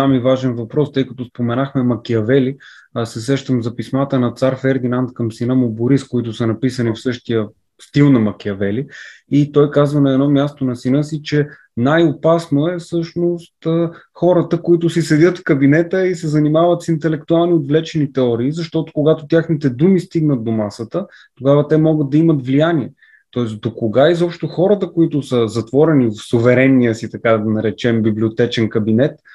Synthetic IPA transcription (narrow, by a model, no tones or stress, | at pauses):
amivaʒɛnvɐpɾɔst̪ɤjkɐt̪ospomɛnaxmɛmɐkiɐvɛli | sɛsɛʃt̪əmzɐpismat̪ənɐt̪saɾfɛɾd̪inant̪̚kəmsinəmoboɾiskoit̪ʊsɐnɐpisənifsɤʃt̪ijə | st̪ilˠnɐmɐkʲiɐvɛli | it̪ɔjkazvənɐɛd̪nɔmʲjast̪onɐsinɤsit͡ʃɛ | najopasnoɛfsɤʃnost̪ə | xɔɾət̪əkoit̪ʊsisɛd̪ʲət̪fkɐbinɛt̪əisɛzɐnimavət̪sint̪ɛlɛk̚t̪ʊalˠniod̪vlɛt͡ʃɛnit̪ɛɔɾiːzɐʃt̪ɔt̪ʊ̥koɡat̪ʊt̪ʲjaxnit̪ɛd̪umist̪iɡnət̪̚d̪omasət̪ə | t̪oɡavət̪ɛmɔɡəd̪̚d̪ɐimət̪vlijanʲiɛ | t̪ɔɛsd̪okoɡaizɔpʃt̪oxɔɾət̪əkoit̪ʊsəzɐt̪vɔɾɛnivfsʊvɛɾɛnːiəsit̪ɐkad̪ɐnɐɾɛt͡ʃɛmbibliot̪ɛt͡ʃɛnkɐbinɛt̪